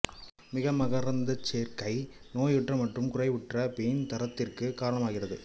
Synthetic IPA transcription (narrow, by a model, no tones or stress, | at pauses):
mɪɣɐmɐɣɐɾɐnd̪ɐt͡ʃːeːɾkɐɪnoːjʋɪʈrɐmɐʈːrɯmkʊrɐɪʋɪʈrɐpejnt̪ɐɾɐt̪ːɪrkɯkaːɾɐɳɐmaːɣɪrɐðɯ